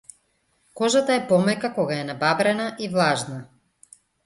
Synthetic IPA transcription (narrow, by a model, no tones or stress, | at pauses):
kɔʒat̪aɛpɔmɛkakɔɡaɛnababɾɛnaʔivlˠaʒna